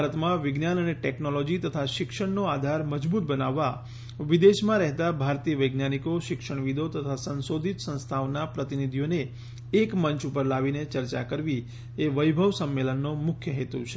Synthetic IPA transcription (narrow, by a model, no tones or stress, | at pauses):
bʱaɾət̪mãʋɪɡnanəneʈɛknolɔd͡ʒit̪ət̪ʰaʃɪkʃəɳnoad̪ʱaɾməd͡ʒbut̪̚bənaʋːa | ʋid̪eʃmãɾɛɦt̪abʱaɾt̪iəʋəjɡnanikoʃɪkʃəɳ̃ʋid̪ʱot̪ət̪ʰasə̃nsod̪ʱit̪sə̃nst̪ʰaʋnapɾət̪inid̪ʱijoneː | kmənt͡ʃupəɾlaʋinet͡ʃəɾt͡ʃa̰kəɾʋi | eʋəjbʱəʋsəmːelənːomʊkʰjəɦet̪ũt͡ʃʰe̥